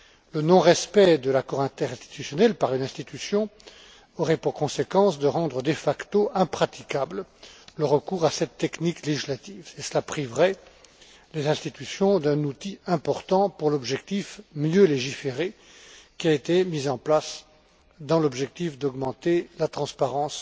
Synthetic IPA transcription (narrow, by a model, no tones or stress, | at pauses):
lənɔ̃ʁɛspɛd̪əlakɔʁɛ̃t̪ɛʁɛ̃st̪i̥t̪ysjɔnɛlpaʁynɛ̃st̪it̪ysjɔ̃ | ɔʁɛpuʁkɔ̃sekɑ̃sd̪əʁɑ̃d̪ʁəd̪efakt̪oɛ̃pχat̪ikablləʁəkuːʁasɛt̪ːɛknikleʒislat̪ivesəlapχivʁɛ | lezɛ̃st̪it̪ysjɔ̃d̪ɛ̃nut̪iɛ̃pɔʁt̪ɑ̃puʁlɔbʒɛkt̪ifmjøleʒifeʁe | kʲiaet̪emizɑ̃plas | d̪ɑ̃lɔbʒɛk̚t̪ifd̪ɔɡmɑ̃t̪elat̪χɑ̃spaʁɑ̃s